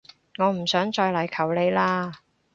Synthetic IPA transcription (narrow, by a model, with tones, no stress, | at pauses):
ŋɔː˨˧m̩˨˩sœː˨˥ŋt͡ʃɔː˧jlɐ˨˩jkʰɐ˨˩wle˨˧jlaː˧